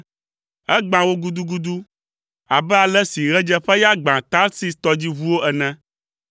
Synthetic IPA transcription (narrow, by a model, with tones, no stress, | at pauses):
ɛ˦ɡ͡bã˨wo˦ɡu˦d̪u˦ɡu˦d̪u˦ | a˨bɛ˦a˨lɛ˦si˨ɣɛ˦d͡ʒɛ˦ɸɛ˦ja˦ɡ͡bã˨t̪a˦lsi˦st̪ɔ˦d͡ʑi˦vu˦wo˦ɛ˨nɛ̃˦